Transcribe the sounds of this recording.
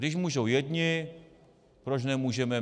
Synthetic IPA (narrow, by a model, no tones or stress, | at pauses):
dɪʃmuːʒowjɛdɲɪ | pɾot͡ʃnɛmuːʒɛmɛ